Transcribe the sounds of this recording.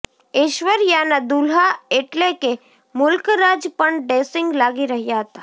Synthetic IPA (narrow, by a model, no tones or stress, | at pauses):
ɪʃwəɾjaːnad̪ulɦaeʈleke | mʊlkɾaːd͡ʒpəɳɖeːsɪ̃ŋɡlaːɡiɾəɦijaɦət̪a